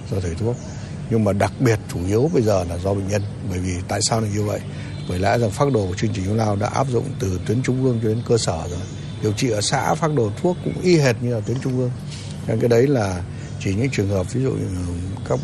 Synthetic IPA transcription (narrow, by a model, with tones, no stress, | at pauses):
zɔ˧t̪ʰɨ˧˩t̪ʰu˦˥ək̚ | ɲɨ˧ŋmaː˨˩ɗa˨˩k̚ɓi˨˩ət̚t͡ɕu˧˩ʔi˨˦əwɓə˧jzəː˨˩laː˨˩zɔ˧ɓḛ˧˨ŋ̟ɲə˧nɓəː˧˩jvi˨˩t̪a̰ː˧˨jsaː˧wnaː˨˩ɲu˧və̰˧˨j | ɓəː˧˩jla̰ː˧˥za˨˩ŋfaː˦˥t̚ɗo˧˨˩t͡ɕɨ˧əŋt͡ɕi̟˨˩hlaː˧wɗa̰ː˧˥ʔa̰ː˦˥p̚zʊ̰˧˨ŋ͡mt̪ɨ˨˩t̪wi˨˦ənt͡ɕʊ˧ŋ͡mʔɨ˧əŋt͡ɕɔ˧ɗe˨˦nkəː˧səː˧˩zo˨˩j | ɗi˨˩əwt͡ɕḭ˧˨ʔəː˧˩sa̰ː˧˥faː˦˥t̚ɗo˨˩t̪ʰu˦˥əkːʊ̰˧˥ŋ͡mʔi˧ɦe˨˩t̚ɲɨ˧laː˨˩t̪wənt͡ɕʊ˧ŋ͡mʔɨ˧əŋ | t͡ɕa˧ŋkaː˨˦jɗə˨˦jlaː˨˩ | t͡ɕi˧˩ɲɨ̰˧˥ŋt͡ɕwi˨˩ənhəː˨˩p̚vi˨˦zṵ˧˨ | kaː˦˥k̚